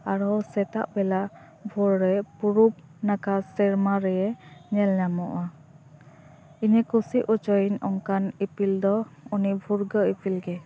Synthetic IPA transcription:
aɾɔsɛt̪aʔbɛlaʔ | bʱuɾːɛpuɾup̚nakasɛɾmaɾɛjɛɲɛlɲamɔʔa | iɲɛkusiʔut͡ʃɔjinɔŋkanipʰild̪ɔunibʱuɾɡəipʰilɡɛ

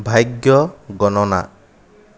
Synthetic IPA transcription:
bʱajɡjɔɡɔnɔna̰

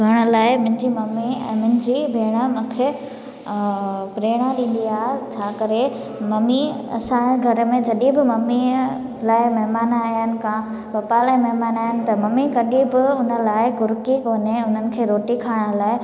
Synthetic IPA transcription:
ɡʱaɽ̃ə̆laːɪmʊ̃n̆d͡ʑimɐmiɛ̰̃ːmʊ̃ɦd͡ʑiːbʱeːɽ̃amʊ̃kʰeː | pɾeːɽ̃ãɗĩːn̆d̪iaːɦet͡ɕʰaːkɐɾe | mɐmiɐ̰sãɡʱɐɾəmẽd͡ʑɐɗibɪmɐmi | laːɪmɐɦmaːnaːjənɪ̆kã | pɐpalaːɪmɐɦmaːnaːɦənɪ̆t̪ɐmɐmikɐɗibɪʊnə̆laːɪɡʊɾkikoːneʊn̤ənɪ̆kʰeːɾoːʈikʰaːɽ̃ə̆laːɪ

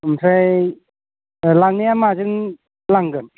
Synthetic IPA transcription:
msʰaj | laŋnijamazɯŋ | laŋɡɯn

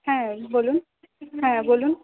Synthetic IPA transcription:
hɛ̃bolun | hɛ̃bolun

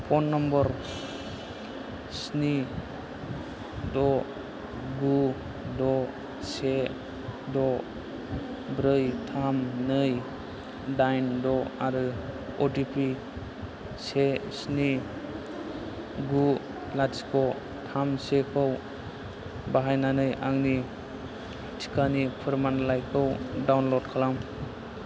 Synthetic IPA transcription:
pʰɔnːɔmbɔɾ | sni | dɔ | ɡu | dɔ | se | dɔ | bɾɯjtʰamnɯj | dajndɔaɾɯ | otipʰi | sesni | ɡu | lasi̥kʰɔ | tʰamsekʰɔw | baɦajnanɯjʔaŋni | tʰi̥kanipʰɯɾmanlajkʰɯwdawnlɔdkʰalam

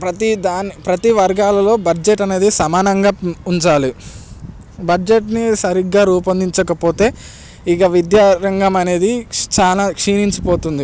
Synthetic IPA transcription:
pɾɐt̪id̪aːnːipɾɐt̪iʋɐɾɡaːlɐlo̞ːbɐd͡ʒeʈːɐne̞ːd̪isɐmaːnɐŋɡaːuɲt͡ʃaːli | bɐd͡ʒeʈnisɐɾiɡːaːɾuːpɐnd̪iɲt͡ʃɐkɐpo̞ːt̪e̞ː | ikɐʋid̪jaːɾɐŋɡɐmɐne̞ːd̪it͡ʃaːlaːkʂiːniɲt͡ʃi̥po̞ːt̪und̪i

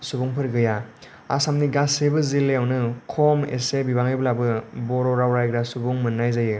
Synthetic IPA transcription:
subuŋpʰɯɾɡɯja | a̰samniɡasebɯzilːeawnɯkʰɔmḛsebibaŋɯblabɯbɔɾɔɾawɾajɡɾasubuŋmɯnːajzajɯ

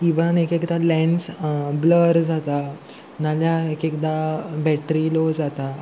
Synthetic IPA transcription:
iʋənekekd̪alɛ̃ɳsbləɾd͡zat̪a | naljaekekd̪abɛʈɾilod͡zat̪a

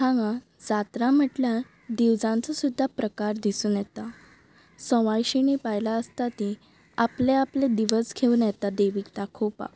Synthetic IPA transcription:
t̪ʰãŋɡa | d͡zat̪ɾãm̤əʈlja | d̪iwd͡zãnt͡sɔsud̪ʱːapɾəkaɾd̪isuːnjɛt̪a | sə̃ʋajɕinepajlaəst̪at̪i | apleapled̪iʋəskʰeũnjɛt̪ad̪əjʋikt̪akʰopa̰

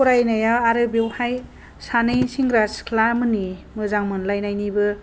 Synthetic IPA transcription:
ɔɾajnajawaɾɯbewhaj | sanɯjsiŋɡɾaskʰlamɯnimɯzaŋmɯnlajnajnibɯ

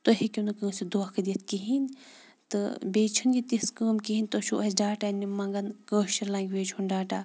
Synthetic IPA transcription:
t̪oɦikʲunɨkəːsid̪oakʰɐd̪it̪̚kiɦin | t̪ɨbeːt͡ʃʰɐnɡit̪iskəːmkiɦinʲt̪oʃʰuʔɐɖaːʈanːimɐŋɡɐnkəːʃɐɾlãːŋɡʲʋeːd͡ʒʰunɖaːʈaː

